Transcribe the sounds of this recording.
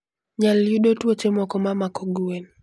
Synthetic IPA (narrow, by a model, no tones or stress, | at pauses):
ɲaljuɗotuɔt͡ʃemɔkɔmamakɔɡuwɛn